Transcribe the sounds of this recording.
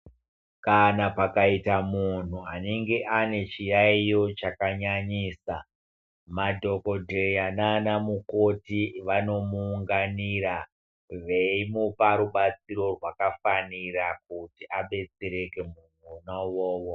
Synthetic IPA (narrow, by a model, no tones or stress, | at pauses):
kanapakaitamun̤uane̞ŋɡe̞ʔane̞t͡ʃijaijo̞t͡ʃakaɲaɲiːsa | madʱo̞ko̞dʱeananamuko̞tiʋano̞muːŋɡaniɾa | ʋe̞imupaɾuɓat͡siɾo̞rwakafaniɾak̚utiʔaɓe̞t͡seɾe̞ke̞mun̤unowoːwo